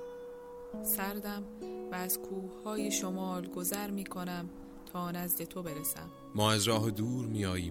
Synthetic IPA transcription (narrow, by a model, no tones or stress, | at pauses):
sæɾd̪æmvæːz̥kʰuːhhɒːjeʃomɒːlɡo̞zæɾmiːkʰo̞næm | t̪ʰɒːnæzd̪e̞t̪ʰo̞be̞ɾesæ̰m | mɒːæzɾɒːɦed̪uːɾmiːjɒːjiːm